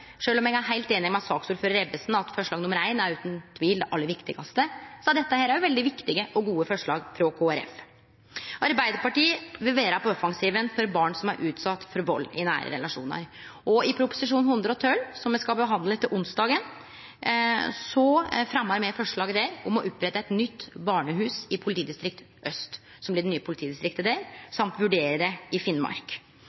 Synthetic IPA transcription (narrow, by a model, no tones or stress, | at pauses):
ʂøːlɔmɛɡæɦæɪlt̪eːnɪŋmɛɑsɑːksuːɾføːɾəɾɛbəsn̩ɑt̪fɔʂɭɑːɡnʊməɾæɪnæɾʉːt̪nt̪ʰʋiːld̪ɛʔɑlːəɾʋɪkt̪ɪɡɑst̪əsɔɛd̪ɛt̪ːəhæːɾæɾjʊʋɛld̪ɪʋɪkt̪ɪɡəʔɔɡuːəfɔʂɭɑːɡfɾɔkʰoːæɾɛ̰f | ʔɑɾbæɪd̪əɾpɑʈiːəʋɪlʋeːɾɑpɔɔfɑŋsiːʋənfɔɾbɑːɳsɔmæɾʔʉːt̪sɑt̪ːfɔɾʋɔlːɪ̰næ̰ːɾə̰ɾɛ̰lɑʂṵːnə̰ɾ | ɔɪpʰɾʊpʊ̥sɪʂuːnhʉnd̪ɾəɔt̪ʰœlsɔmɛskɑlbəɦɑnd̪lət̪ʰːɪlʔʊnsd̪ɑːɡən | sɔfɾɑmɑɾmɛfɔʂɭɑːɡəd̪ɛɾɔmɔʔʉpːɾɛt̪ːəɛt̪nʏt̪ːbɑːɳəɦʉːsɪpʰʊlɪt̪iːd̪ɪst̪ɾɪk̚t̪ | ʔœst̪ | sɔmb̪lɪɖɛnyːəpʰʊlɪt̪ʰiːd̪ɪst̪ɾɪkt̪əd̪eɾsɑmt̪ʋʉɖeːɾəɾɛɪfɪnmɑ̰ɾk